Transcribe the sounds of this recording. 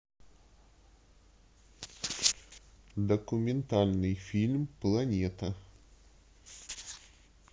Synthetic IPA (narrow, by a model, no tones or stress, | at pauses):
d̪ɐkʊmʲɪnt̪alʲnɨjfʲilʲmplˠɐnʲet̪ə